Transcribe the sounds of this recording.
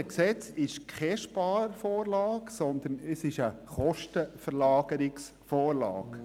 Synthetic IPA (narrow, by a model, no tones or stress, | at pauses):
ksɛt͡sɪʃkʰɛʃpɑːɾfoːɾlɑːksɔnd̪ənəsɪʃəχɔʃtəfɛɾlɑːɡəɾɪks | foːɾlɑ̰ːɡ